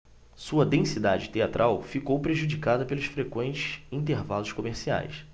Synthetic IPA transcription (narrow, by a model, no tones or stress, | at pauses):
suɐd̪ẽsid̪ad͡ʒɪt̪eat̪ɾʔawfikowpɾeʒud͡ʒikad̪ɐpelʊʃfɾekwẽnt͡ʃɪ̥ʃĩnt̪̬eɾvalʊʃkomeɾsia̰js